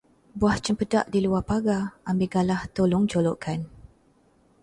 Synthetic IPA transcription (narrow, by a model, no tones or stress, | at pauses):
buaht͡ʃəmpədaʔdiluapaɡaʔːmbiɡalaht̪olʊŋd͡ʒolɔʔkʰan